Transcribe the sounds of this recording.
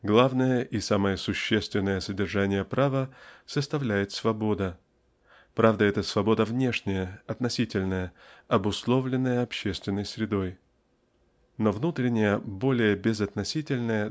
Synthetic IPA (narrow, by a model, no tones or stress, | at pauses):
ɡlˠavnəjəʔisaməjəsʊɕːest̪vʲɪnːəjəsədʲɪrʐanʲɪjəpɾʔavəsəst̪ɐvlʲæjɪt̪svɐbo̞d̪ə | pɾavd̪əɛt̪əsvɐbo̞d̪əvnʲeʂnʲɪjəɐt̪nɐsʲitʲɪlʲnəjəɐbʊslˠo̞vlʲɪnːəjəɐpɕːest̪vʲɪnːəjsɾʲɪd̪o̞j | no̞vnut̪ɾʲɪnʲɪjəbo̞lʲɪjəbʲɪzɐt̪nɐsʲitʲɪlʲnəjə